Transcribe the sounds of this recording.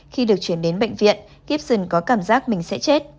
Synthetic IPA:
xi˧ɨ˨˩ək̚t͡ɕwi˧˩ənɗe˨˦nɓə̰˧˨ŋ̟vḭ˧˨ən | ɣi˦˥p̚zɨ˨˩nkɔ˨˦kaː˧˩mzaː˦˥k̚mï˨˩ŋ̟sɛ̰˧˥t͡ɕe˦˥t̚

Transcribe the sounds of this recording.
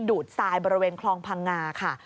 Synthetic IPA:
duː˨˩t̪̚saː˧jbɔː˧ɾi˧weː˧nkʰlɔː˧ŋpʰa˧ŋːaː˧kʰa˥˩

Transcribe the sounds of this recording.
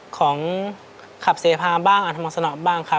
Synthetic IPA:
kʰɔː˩˦ŋ | kʰa˨˩p̚seː˩˦pʰaː˧baː˥˩ŋʔa˨˩t̪ʰmaː˧sa˧nɔ˨˩ʔbaː˥˩ŋkʰa˧˩

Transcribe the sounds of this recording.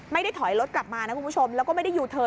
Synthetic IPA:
ma˥˩jda˥˩jt̪ʰɔ˨˩˦jlo˦˥t̪̚kla˨˩p̚maː˧naː˦˥ku˧˦˥t͡ɕʰo˧mlɛː˦wkɔ˥˩ma˥˩jda˥˩juː˧˩t̪ʰɤː˧

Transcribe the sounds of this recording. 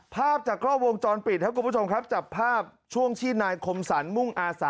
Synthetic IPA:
pʰaː˥˩p̚t͡ɕaː˨˩kʰɾɔː˥˩wo˧ŋt͡ɕɔː˧npi˨˩t̪̚ʰa˦˥kʰu˧˦pʰt͡ɕʰmkʰɾa˦˥p̚t͡ɕa˨˩pʰːaː˥˩p̚t͡ɕʰu˥˩əŋt̪ʰiː˥˩naː˧jkʰo˧msaː˩˦nmu˥˩ŋʔaː˧saː˩˦

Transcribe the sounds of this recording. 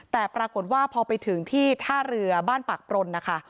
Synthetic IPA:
t̪ɛː˨˩pɾaː˧ko˨˩t̪̚waː˥˩pʰɔː˧pa˧jt̪ʰɯ˩˦ŋt̪ʰiː˥˩t̪ʰaː˥˩ɾɯ˧ɐbaː˥˩npa˨˩k̚pɾo˧nːa˦˥kʰa˥˩

